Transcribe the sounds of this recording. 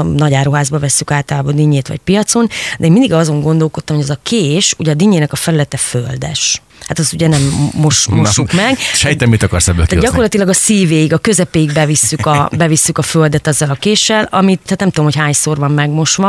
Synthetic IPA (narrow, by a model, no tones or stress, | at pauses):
mnɒɟaːɾoɦaːzbɒvɛsːykaːlt̪ɒlaːbɒd̪iɲːeːt̪ʋɒ̰c̚pijɒt̪so̞nd̪ɛeːnmind̪iɡɒzo̞ŋɡo̞nd̪o̞lko̞t̪ːɒmoɟɛzɒkʰeːʃuɟɛɒd̪iːɲːeːnɛkɒfɛlylɛt̪ɛføld̪ɛ̰ʃ | hat̪ɒst̪uɟɛnɛmːoʃmoʃukmɛɡʃɛjit̪ɛmit̪ɒkɒrsɛbːø̰lk̪ɛɟɒko̞rlɒt̪ilɒɡɒsiːveːjiɡɒkø̞zɛpeːjiɡbɛvisːykɒbɛvisːykɒføld̪ɛt̪ɛzːɛlɒkeːʃɛlɒ̰mit̪hat̪nɛmt̪ud̪omhocɦaːɲsoːrvɒmːɛɡmo̞ʃʋɒ